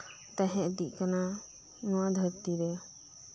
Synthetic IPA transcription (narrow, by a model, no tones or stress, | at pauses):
t̪aɦɛ̃d̪iʔˀkana | nɔwad̪ʱəɾt̪iɾɛ